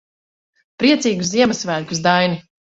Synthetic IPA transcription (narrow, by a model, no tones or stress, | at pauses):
pɾiɛt̪siːɡuszziɛmɐsvælʲkʲuzd̪ajni